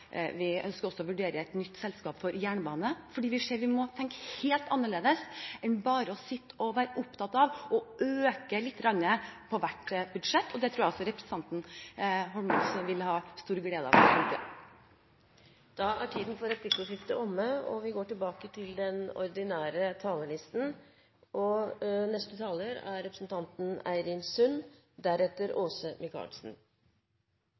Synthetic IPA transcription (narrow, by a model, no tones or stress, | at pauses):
ʋɪœ̰nskəɾɔsːɔɔʋʉɖeːɾəɛt̪nʏt̪ːsɛlskɑːpfɔɾjæːɳəbɑːnəfɔɖiːʋɪʂeːɾʋɪmɔt̪ʰɛŋkheːlt̪ɑnːəɭeːd̪əsɛnbɑːɾəɔsɪt̪ːəɔʋæːɾəʔʊpt̪ʰɑt̪ːɑʋɔʔøːkəlɪt̪ːɡɾɑnːəpʰɔʋæʈbʉd̪ʂɛt̪ːɔd̪ɛt̪ʰɾuːjæɛɔsɔɾɛpɾəsən̩t̪ɑnt̪n̩ɦɔmɑsʋɪlhɑːst̪uːɾɡleːd̪ɑ̰ʋɛnt̪ə | d̪̥ɑæʈʰiːd̪nfɔɾɛt̪ɪkʊʂɪft̪əʔɔmːəɔ̰ʋɪɡoːʈɪlbɑːkət̪ʰɪld̪ɛnɔ̰ɾd̪ɪnæːɾət̪ʰɑːləlɪst̪n̩ | ʔɔnɛst̪ət̪ʰɑːləɾæ̰ɾɾɛpɾə̥sn̩t̪ʰɑnt̪n̩æ̰ɪɾɪnsʉn | d̪æɾɛt̪ːəɾʔoːsəmɪkʰɑ̰lsn̩